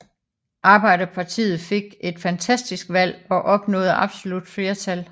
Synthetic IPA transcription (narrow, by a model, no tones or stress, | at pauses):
ʔɑ̈ːb̥ɑ̈ɪ̰ɾ̥ɐpʰɑ̈t͡sʰḭːð̩ˠfe̝ɡ̥e̝d̥fænt͡sʰæsd̥isɡ̥ʋæl̰ɒ̽ʔɒ̽b̥nɔ̰̽ːðˠɑ̈b̥so̝lud̥fle̝ɐt͡sʰæl